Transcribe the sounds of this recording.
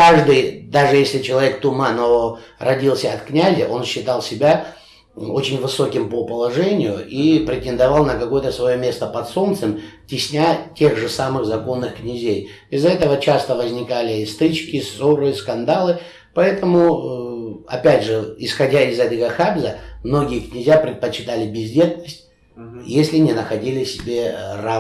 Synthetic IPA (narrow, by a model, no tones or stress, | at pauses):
kaʐd̪ɨjd̪aʐɨjesʲlʲɪt͡ɕɪlˠɐvʲek̚t̪ʊmanəvorɐdʲilˠsʲəɐt̪knʲæzʲəʔo̞nɕːɪt̪ɑlˠsʲɪbʲa | o̞t͡ɕɪnʲvɨso̞kʲɪmpəpəlˠɐʐɛnʲɪjʊʔipɾʲɪtʲɪnd̪ɐvalˠnəkɐko̞jət̪əsvɐjo̞mʲe̞st̪əpɐt̪so̞nt̪sɨmtʲɪsʲnʲatʲe̞ɣʐɨsamɨɣzɐko̞nːɨxknʲɪzʲej | ɪzɛt̪əvət͡ɕast̪əvəzʲnʲɪkalʲɪst̪ɨt͡ɕkʲɪsoɾɨskɐnd̪alˠɨ | pɐɛt̪əmʊ | ɐ̰pʲædʲʐɨɪsxɐdʲaɪzɐd̪ʲɪɡəxabzəmno̞ɡʲɪjəknʲɪzʲjapɾʲɪt̪̚pət͡ɕːɪt̪alʲɪbʲɪzʲdʲe̞t̪nəsʲtʲ | jesʲlʲɪnʲɪnəxɐdʲilʲɪsʲɪbʲe̞ra